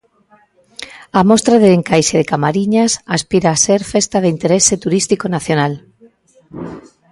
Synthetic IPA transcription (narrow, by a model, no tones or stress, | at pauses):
amost̪ɾaðeeŋkajʃeðekamaɾiɲasaspiɾaːseɾfest̪aðeint̪eɾeset̪uɾist̪ikonaθjonal